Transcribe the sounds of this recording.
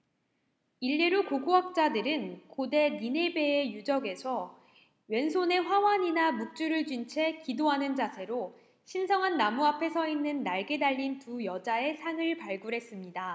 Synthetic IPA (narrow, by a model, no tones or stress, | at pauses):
iʎːeɾukoɡuɦak̚t͡ɕ͈adɯɾɯnkode̞nine̞be̞ːjud͡ʑʌɡe̞sʰʌ | ɥe̞nsʰone̞ɸwawaɲinamuk̚t͡ɕ͈uɾɯɭd͡ʑɥint͡ɕʰe̞kidoɦanɯnd͡ʑasʰe̞ɾo | ɕʰinsʰʌŋɦanːamuapʰe̞sʰʌinːɯnːaɭɡe̞daʎːintujʌd͡ʑae̞sʰaŋɯɭpaɭɡuɾe̞s͈ɯmɲida